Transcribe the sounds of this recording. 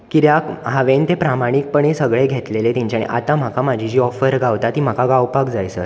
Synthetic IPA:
kiɾjakɦaʋent̪epɾamaɽ̃ik̚pəɳisəɡɭeɡʱet̪lelet̪aɲt͡ɕaɽ̃ḛʔa̰t̪ãm̤akʰamad͡ʑʱid͡ʑiːɔfəɾɡaʋt̪at̪iːm̤akaɡawpakd͡zajsə̰ɾ

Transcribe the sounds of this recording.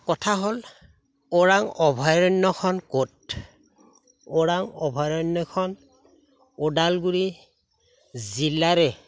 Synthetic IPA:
kɔtʰaɦol | oɹaŋɔbʱɔjɹɔnːɔkʰɔnkot | oɹaŋɔbʱɔjɹɔnːɔkʰɔn | odalɡuɹi | zilaɹɛ

